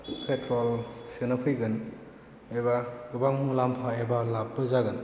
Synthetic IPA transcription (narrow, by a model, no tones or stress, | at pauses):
pʰetʰɾɔlsɯnapʰɯjɡɯn | ebaɡɯbaŋmulampʰaebalap̚bɯzaɡɯn